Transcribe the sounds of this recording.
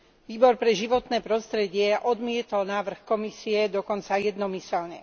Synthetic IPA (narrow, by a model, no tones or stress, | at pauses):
ʋiːbɔɾpɾɛʒiʋɔt̪nɛːpɾɔst̪ɾɛɟɪɛʔɔd̪mɪɛt̪ɔlnaːʋr̩xkɔmisiɛd̪ɔkɔnt͡sajɛd̪nɔmisɛlɲɛ